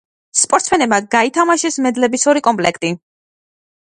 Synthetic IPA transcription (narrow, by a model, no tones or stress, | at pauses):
spʼɔɾt̪sʰmɛnɛbmad̪ɡait̪ʰamaʃɛsmɛd̪lɛbisɔɾikʼɔmpʼlɛkʰt̪ʼi